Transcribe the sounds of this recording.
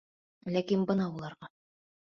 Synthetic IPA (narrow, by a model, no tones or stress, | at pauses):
lækinbɤ̆nɑulˠɑɾʁɑ